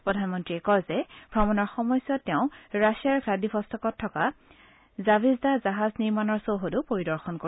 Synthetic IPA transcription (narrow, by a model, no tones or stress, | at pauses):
pɹɔdʱanmɔntɹiɛkɔzɛb̥ʱɹɔmɔnɔɹxɔmɔjsjɔtːɛʊ̃ɹasijaɹɡʰʱladipʰɔstɔkɔtʰːɔka | zabizdazaɦazniɹmanɔɹsowɦodupoɹidɔɹxɔnko